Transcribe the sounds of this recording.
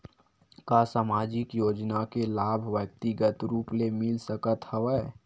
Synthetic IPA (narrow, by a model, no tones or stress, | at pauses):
kasaːmaːd͡ʒɪkjoːd͡ʒnakelaːbʱʋjək̚t̪iɡət̪ɾuːplemɪlsəkət̪həʋɛː